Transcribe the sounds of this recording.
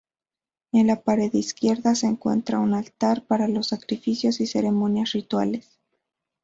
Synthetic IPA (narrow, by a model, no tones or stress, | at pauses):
e̞nlapaɾe̞ðiskje̞ɾðase̞ːŋkwe̞̰nt̪ɾaunalt̪aɾpaɾalo̞sːakɾifisjo̞sise̞ɾe̞mõ̞njasrit̪wale̞s